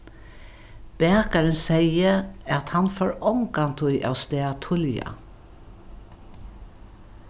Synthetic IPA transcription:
b̥eːkɑɹənsæɪəɑt̪hɑnfoːɹɔŋkɑnt̪ʰʊʏʔɑ̰ːʊst̪eːɑt̪ʰʊljɑ̰

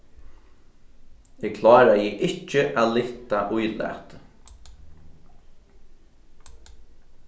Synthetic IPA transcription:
ɛɡkʰlɑːɾajɛʔɪht͡ʃːəʔaːlɪht̪aʔʊjlæ̰t̪

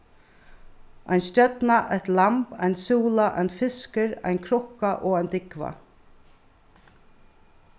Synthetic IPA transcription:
ʔa̰jnst̪œt̪naʔɛht̪lampa̰jnsuːlaʔa̰jnfɪskɪɾa̰jnkʰɾʊhkaʔɔːajnt̪ɪkva̰

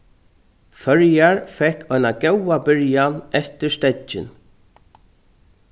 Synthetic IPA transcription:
fœɹjaɹfɛkʰːɔjnaɡɛwabɪɹjanɛft̪ɪɾst̪ɛt͡ʃɪ̰n

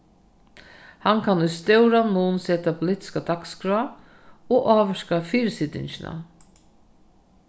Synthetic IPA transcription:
hankʰanʊst̪œwɾanuːnsɛːt̪apʊlɪht̪ɪ̥skad̪akskɾua | ɔʔaːʋɛʂkafiːɾsɪt̪ɪ̰ɲt͡ʃɪna̰

